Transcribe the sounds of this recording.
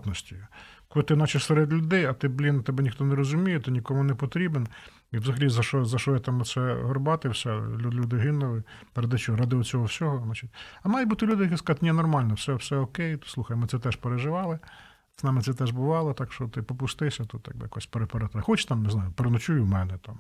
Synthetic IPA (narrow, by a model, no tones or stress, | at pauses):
t̪nɔsʲtʲiklˠt̪ɪnɑt͡ʃɪsɛɾed̪lʲʊd̪ɛjɐt̪ɪblʲint̪ɛbɛnʲixt̪ɔneɾɔzʊmʲijɛt̪ɪnʲikɔmʊnepɔt̪ɾʲiben | iʋzɐɦɐlʲizɐʃɔzɐʃɔjɛt̪ɑmɔsɛɦɔrbɑt̪ɪwsʲɛlʲulʲud̪ɪɦɪnʊlˠɪ | rɑd̪ɪt͡ʃɔɔɾɑd̪ɪʊt͡sʲɔɦɔwsʲɔɦɔnɑt͡ʃitʲɐmɑjbut̪ɪlʲud̪ɪjkɪskɑzɑt̪ɪnʲɛnɔrmɑlʲnɔfsɛwsɛɔkɛjt̪slˠuxɐjmɪt̪sɛt̪ɛʃpeɾeʒɪʋɑlˠɪ | znɑmɪt̪sɛt̪ɛʒbʊʋɑlˠɔt̪ɑkʃt͡ʃɔt̪ɪpɔpʊst̪ɪsʲɐt̪ut̪jɐ̰ɡ̚bɪjɐkɔsʲpeɾepeɾɛt̪xɔt͡ʃt̪ɑmnɪznɑjʊpeɾnɔt͡ʃujʊmɛnɛt̪ɑm